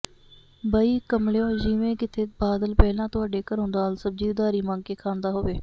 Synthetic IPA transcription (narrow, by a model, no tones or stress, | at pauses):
bəiːkəmleːõːd͡ʒiːʋẽːkɪt̪ʰeːbaːd̪əlpɛːlãːt̪ʊaːɖeːkəɾɦõːnd̪aːlsəb̚d͡ʒiːd̪aːɾiːmãːŋkeːkʰãːnd̪aːɦoːʋeː